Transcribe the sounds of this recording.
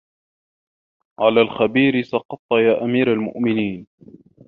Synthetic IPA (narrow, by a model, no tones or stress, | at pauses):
ʕalaːlxabiːɾɪsɑqɑt̪ˤːjaːʔamiːɾalmʊ̰ʔmɪniːn